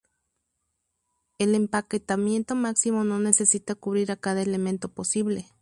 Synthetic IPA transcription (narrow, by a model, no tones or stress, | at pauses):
elempaket̪amje̞nt̪omaksimono̞nesesit̪akuβɾiɾakaðaelement̪oposiβle